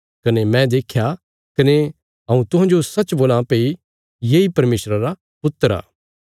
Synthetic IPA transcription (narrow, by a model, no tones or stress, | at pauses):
kɐnemɛ̃d̪eːkʰja | kɐne | ɦɐ̃ũt̪ʊ̃ɦãd͡ʒosɐtːt͡ʃboːlãpeːi | jeːipɐɾmeːsɾaɾa | pʊt̪ːəɾa̰ː